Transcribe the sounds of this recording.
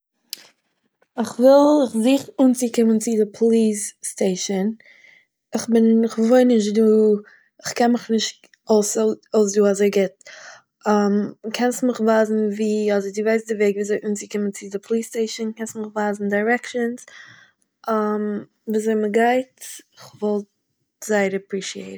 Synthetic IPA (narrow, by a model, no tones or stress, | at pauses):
ɪχvɪlˠɪχzɪːχuːnt͡sɪkɪmənt͡sɪdɪpʰɔlˠiːsːteɪʃən | ɪχbɪnɪχvoɪnɪʃ̬tduː | ɪχkɛnmɪχnɪʃt | oʊsoʊs̬duːazeɪɡɪt̚ | amkʰɛnstmɪχvaːzn̩viːɔdəɾdɪvaɪsdɪveɪɡviːzeɪʔuːnt͡sikɪmənt͡sɪdɪpʰlˠiːsteɪʃənkɛnstmɪχvaːzn̩daɪɾɛkʃəns | am | viːzeɪməɡaɪtɪχvɔlˠt̚ | z̥aɪəɾapɾiʃieɪt̩